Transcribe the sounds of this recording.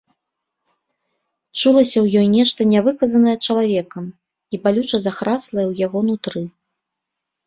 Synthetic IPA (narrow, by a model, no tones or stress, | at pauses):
t͡ʂulˠɐsʲɐwjɔjnʲɛʂt̪ɐnʲavɨkɐzɐnɐjɛt͡ʂɐlˠavʲɛkɐm | ibalʲut͡ʂɐzaxɾaslˠɐjɛwjaɣɔnut̪ɾɨ